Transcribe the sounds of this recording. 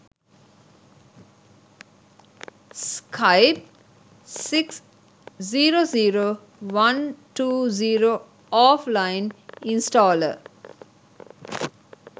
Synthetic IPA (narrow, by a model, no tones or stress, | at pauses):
skʰaɪp̚ | siks | ziːɾoːziːɾoː | ʋãnʈuːziːɾo | ɔːflaɪ̃nĩnsʈɔːlə̰